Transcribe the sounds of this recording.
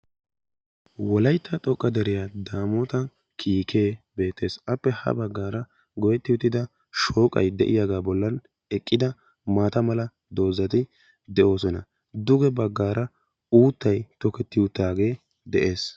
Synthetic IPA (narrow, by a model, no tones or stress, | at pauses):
wɔlɐjt̪ːɐt̪ʼɔkʼːɐd̪ɛɾɪjad̪aːmɔt̪ɐ | kʰiːkʰe̞ːbe̞ːt̪ːe̞ːsɐpːɛhɐ̰bɐɡːaːɾɐ | ɡɔjɛt̪ːɪʊt̪ːɪd̪ɐ | ʃo̞ːkʼɐ̰jd̪ɛ̰ʔɪ̰jaːɡaːbɔlːɐn | ɛkʼːɪd̪ɐ | maːt̪ɐmɐlɐ | d̪o̞ːzɐt̪ɪ | d̪ɛʔo̞ːsɔnɐ̰ | d̪ʊɡɛbɐɡːaːɾɐ | uːt̪ːɐjt̪ɔkɛt̪ːɪʊt̪ːaːɡe̞ː | d̪ɛʔe̞ːs